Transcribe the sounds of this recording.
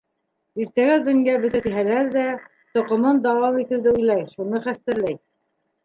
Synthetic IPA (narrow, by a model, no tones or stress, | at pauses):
iɾt̪æɡæd̪ɵ̆njæbɵ̆t̪æt̪iɦælæɾðæ | t̪ŏqŏmɤnd̪ɑwɑmit̪ɘ̆wðɘujlˠɑjʃunɤχæst̪ɘ̆ɾlæj